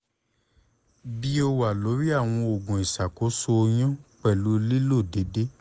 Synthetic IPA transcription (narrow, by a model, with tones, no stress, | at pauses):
bi˦o˧wa˨lo˨˦ɾi˦a˦˨w̃ɔ̃˧o˨ɡũ˨i˨sa˨ko˨˦so˧j̃ã˦k͡pɛ˦˨lu˨˦li˦lo˦˨de˨˦de˦